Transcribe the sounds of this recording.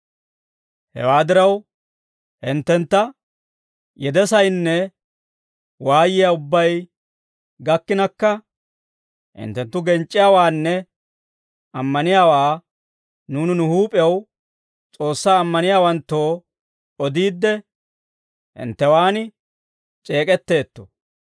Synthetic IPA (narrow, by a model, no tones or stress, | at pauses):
hɛ̰waːd̪ɪɾɐw | hɪnt̪ːɛnt̪ːɐ | jɛd̪ɛsɐjnːɛ | waːjɪjaːʊbːɐj | ɡɐkːɪnɐkːɐ | hɪ̰nt̪ːɛnt̪ːʊɡɛnt͡ʃʼːɪjaːwaːnːɛ | ɐmːɐnɪjaːwaː | nuːnɪnʊhuːpʼɪjɐw | t͡sʼo̞ːsːaːmːɐnɪjaːwɐnt̪ːo̞ː | ɔd̪iːd̪ːɛ | hɪ̰nt̪ːɛwaːnɪ | t͡ʃʼeːkʼɛt̪ːe̞ːt̪ːɔ̥̰